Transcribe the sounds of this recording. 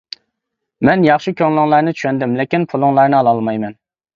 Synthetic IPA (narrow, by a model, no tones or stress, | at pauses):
mɛnjɑχʃikʲʰøŋlˠɪŋlˠɑɾnɨt͡ʃʰy̥ʃɛnd̪ɪmlɪkʲinpʰulˠʊŋlˠɑɾnɨɑlˠɑlˠmɑjmɛn